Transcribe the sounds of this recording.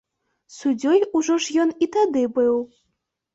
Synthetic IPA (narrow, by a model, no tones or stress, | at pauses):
sud͡zʲɔjuʐɔʐjɔnit̪ad̪ɨbɨw